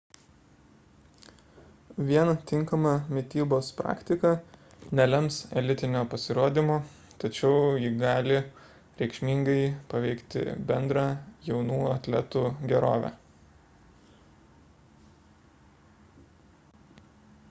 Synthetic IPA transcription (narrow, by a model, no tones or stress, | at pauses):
ʋʲiɛnt̪ʲɪŋkɐmɑmʲɪt̪ʲiːboːspɾʔɑ̰ːkʲt̪ʲɪkɐ | nʲɛlʲɛmsɛlʲɪt̪ʲɪnʲoːpɐsʲɪɾoːd̪ʲimoː | t̪ɐt͡ʃʲɛʊjɪɡɑːlʲɪ | ɾʲɛɪkʃʲmʲɪŋɡɐɪpɐʋʲɛɪkt̪ʲɪ̰bʲɛnd̪ɾɑːjɛʊnuːɐt̪ʲlʲɛ̰t̪uːɡʲɛɾo̰ːʋʲæ̰ː